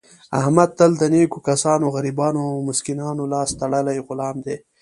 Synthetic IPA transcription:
ɐ̰hmɐd̪̚t̪ɐld̪ɐniːkukɐsɑːnoɣɐɾibɑːnomʊskinɑːnolɑːst̪ɐɽəlajɣʊlɑːmd̪eː

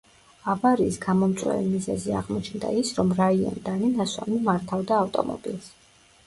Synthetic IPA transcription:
avaɾiːsɡamɔmt̪sʼwɛ̰limizɛziaʁmɔt͡ʃʰnd̪a̰isɾɔmɾaiɔ̰nd̪aninaswa̰mimaɾt̪ʰavd̪aːft̪ʼɔmɔ̰bilˠs

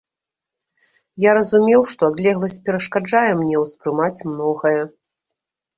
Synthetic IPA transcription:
jaɾɐzumʲɛwʂt̪ɔad̪lʲɛɣlˠɐsʲt͡sʲpʲɛɾɐʂkad͡ʐajɛmnʲɛwspɾɨmat͡sʲmnɔɣɐjɐ

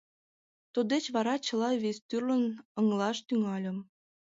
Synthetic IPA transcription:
t̪ud̪et͡ɕβɑɾɑt͡ɕə̆lɑβesʲt̪yrlənəŋlɑʃt̪yŋɑlʲə̆m

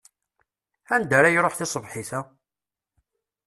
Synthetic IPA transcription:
ænd̪æɾajɾˤoħθɪsˤəvħiθæ

